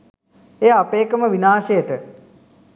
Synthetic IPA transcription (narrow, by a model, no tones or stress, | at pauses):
ejapeːkəməʋinaːsejəʈə